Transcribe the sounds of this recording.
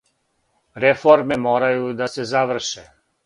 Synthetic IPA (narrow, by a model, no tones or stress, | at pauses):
ɾefoɾme̞moːɾajud̪asezaʋr̩ʃe